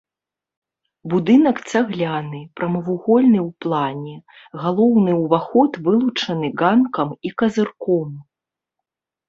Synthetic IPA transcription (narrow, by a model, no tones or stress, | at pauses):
bud̪ɨnɐkt͡sʲaɣlʲanɨpɾɐmɐvuɣɔlʲnɨwplˠanʲɛ | ɣalˠɔwnɨwvaxɔt̪vɨlˠut͡ʂɐnɨɡankɐmikɐzɨrkɔm